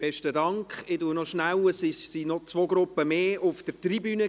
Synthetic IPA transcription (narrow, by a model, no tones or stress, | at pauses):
b̥ɛʃtədɑŋkχɪduənɔʃnæwəsisinɔt͡sʋoːɡɾʊpːəmeːʊfd̥əɾtribyːnə